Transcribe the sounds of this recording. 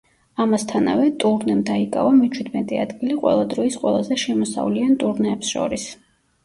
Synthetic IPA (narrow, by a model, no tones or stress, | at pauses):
amast̪ʰana̰vɛt̪ʼuɾnɛmd̪aikʼa̰vamɛt͡ʃʰwid̪mɛt̪ʼɛa̰d̪ɡiliqʼwɛ̰lˠad̪ɾɔisqʼwɛlˠazɛʃɛmɔsa̰vliant̪ʼuɾnɛːpsʃɔ̰ɾis